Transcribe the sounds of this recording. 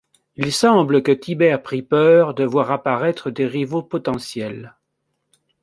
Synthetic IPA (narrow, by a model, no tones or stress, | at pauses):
ilsɑ̃bləkət̪ʰibɛʁpχipœʁd̪əvwaʁapaʁɛt̪χəd̪eʁivopɔt̪ɑ̃sjɛl